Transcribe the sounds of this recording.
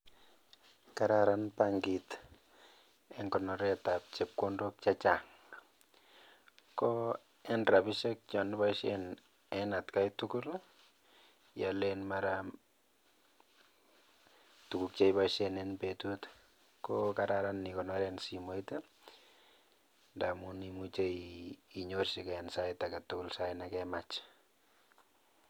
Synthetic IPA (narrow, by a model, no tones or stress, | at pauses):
kaɾaɾanpaŋɡit | ɛŋɡɔnɔɾɛtap̚t͡ʃep̚kondok̚t͡ʃat͡ʃaŋ | kɔ | ɛnrabiʃek̚t͡ʃɔnɪbaiʃen | ɛnatkajtukul | jalenmaɾa | tukuk̚t͡ʃejbaʃenenpetut | kokaɾaɾanːikɔnɔɾɛnsimoite | ndamunimut͡ʃeiiɲorʃikɛnsajtakatukulsaɪnakɛmat͡ʃ